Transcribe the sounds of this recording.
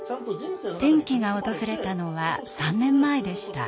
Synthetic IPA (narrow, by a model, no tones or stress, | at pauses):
t̪ẽ̞ŋkʲiɡao̞t̪o̞zɨɾe̞t̪ano̞βasãnːẽ̞mːae̞d̪e̞ɕi̥t̪a